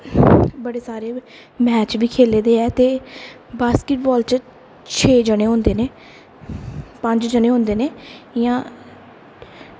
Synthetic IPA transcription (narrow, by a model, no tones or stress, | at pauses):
bəɽeːsaːɾeː | mɛːt͡ʃʋiːkʰeːleːd̪eːɛːt̪eː | baːskɪʈ̚bɔːlt͡ʃ | t͡ʃʰeːd͡ʒəɽeːɦõːnd̪eːneː | pəɲd͡ʒd͡ʒəneːɦõːnd̪eːneːjãː